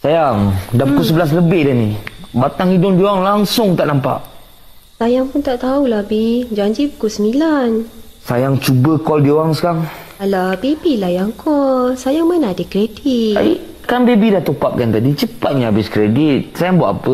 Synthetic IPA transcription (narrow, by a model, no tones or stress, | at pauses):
sajaŋdapukusəbəlas̬ləbɪhdanibat̪aŋidʊŋdiowaŋlaŋsʊŋt̪aʔnampa̰ʔ | sajaŋpʊnt̪aʔt̪aulabid͡ʒaɲd͡ʒipu̥kusəmilansajaŋt͡ʃubəkɔldiowaŋskaŋ | labebilahjaŋkɔlsajaŋmanadəkɾedita̰i | kanbebidaht̪opap̚kant̪adit͡ʃəpat̪̚ɲaabɪskɾedit̪̚sajaŋbua̰ʔapə